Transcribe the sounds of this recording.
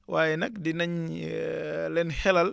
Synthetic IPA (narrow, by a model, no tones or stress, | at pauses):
waːjɛnɐk̚dinɐɲ | lɛnhɛlɐl